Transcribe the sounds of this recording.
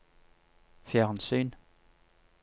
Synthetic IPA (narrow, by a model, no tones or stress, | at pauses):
fjæʁnsy̰ːn